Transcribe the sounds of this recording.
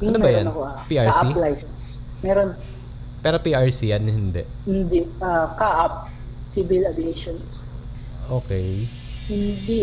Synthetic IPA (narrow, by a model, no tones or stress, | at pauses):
ʔɐnomɛbɐjɾannɐkoʔapiːʔaɹsʔaiplajsɛnsmɛːɾon | pɛːɾopiːʔɐɹsijɐnhɪnd̪ɛʔhɪnd̪ɛʔʔakaʔap̚ | sibɪlabɪeʃon | ʔoːkɛj | hɪnd̪i